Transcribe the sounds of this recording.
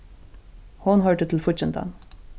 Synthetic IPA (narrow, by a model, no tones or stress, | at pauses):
hʊnɦœːʈət̪ʰl̩fʊt͡ʃɛnt̪ʰə̰n